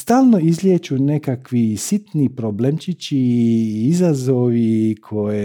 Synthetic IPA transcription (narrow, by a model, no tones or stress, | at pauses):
st̪aːlˠnoizlʲjet͡ʃunekakʋisit̪nipɾoblemt͡ʃit͡ʃiizazoʋikʰo̞je